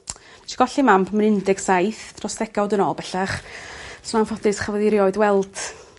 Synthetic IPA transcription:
ʃʰi̥ɡ̥ɔɬimampʰmnɪndɪɡ̥sajθtʰrɔsd̥ɛɡawdənɔbɛɬaχsnanfɔdɨsχavɛðɪɾjɔɨdwɛlˠd̥

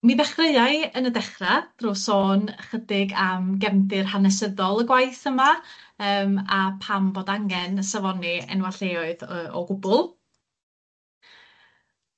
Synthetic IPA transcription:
niðɛχrəɨaɨənədɛχrad̥roːsoːnχədɪɡamɡɛmdɪrhanɛs̬əðɔlˠəɡwajθəmaəːmapʰamboːdaŋɛnsavɔniɛ̰nwaɬeɔɨðəːɔ̰ɡʊbʊlˠ

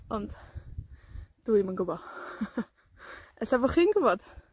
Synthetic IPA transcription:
ɔnd̥ | d̥uimənɡʊbɔ | ɛɬavɔχiːnɡʊbɔd̥

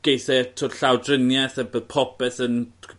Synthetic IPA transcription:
ɡ̥ejθɛɛtʰodɬawdrɪnjɛθɛbðpʰɔpɛθən

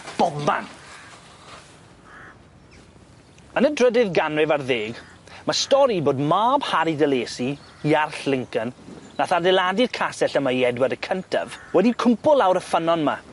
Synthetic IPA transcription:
b̥ɔba̰n | ənədrədɪðɡanrɛvarðeːɡ | mastɔɾiboːdmaːb̥haɾidəlˠeːsiː | arɬlɪŋkənːaθardɛlˠadɪrkʰasɛɬəmajɛdwəɾəkʰəntʰa̰vwɛdikʰʊmpʊlˠawɾəfənɔnma

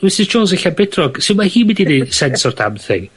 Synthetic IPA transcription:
d̥wɪsɪzd͡ʒoːns̬ɪɬabɪdʰrɔɡ̥sɪnmahiːmɪdidɛsɛnsɔrtʰa̰bθɪ̰ŋ

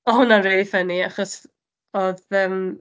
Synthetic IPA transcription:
ɔɦʊnanrelifəniaχɔs | ɔðəm

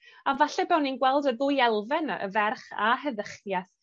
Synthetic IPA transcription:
avaɬɛbɛwninɡwɛlˠdəðʊjɛlˠvɛnə̰vɛrχa̰ɦəðəχjaθ

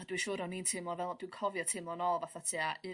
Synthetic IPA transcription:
adwiʃʊːɾɔnintʰɪmlˠɔvɛlˠd̥winkʰɔvjɔtʰɪmlˠɔnɔlˠvaθatʰiaɨ

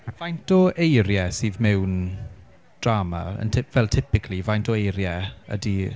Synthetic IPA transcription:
v̥ajntɔʔejɾjɛsɨːðmɛwn | d̥raːma̰ə̰ntʰɪvɛlˠtʰɪpɪkʰlˠivajntʰɔejɾjɛə̰di

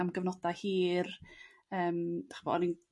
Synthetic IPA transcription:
amɡəvnɔdahiːr | əːmd̥aχb̥ɔ̰nin

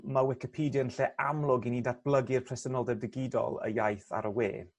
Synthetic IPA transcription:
mawɪkɪpʰiːdjənɬɛʔamlˠʊɡinidat̚b̥lˠəɡɪrpʰrɛsənɔlˠdɛb̚dɪɡɪdɔ̰lˠə̰jajθa̰ɾəwḛː

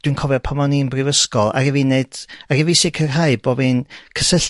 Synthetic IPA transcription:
d̥winkʰɔvɛpʰamɔninbrɪvəskɔlˠa̰ɾɛvined̥aɾivisɪkʰərɦaɨbɔbɨnkʰəsəɬ

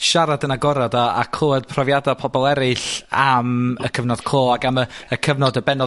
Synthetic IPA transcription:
ʃaɾadənaɡɔɾadaa̰kʰloːad̥̚pʰrɔvjadapʰɔbɔlˠɛɾɨɬaməkʰəvnɔd̥kʰoːaɡaməəkʰəvnɔdəbɛnɔ

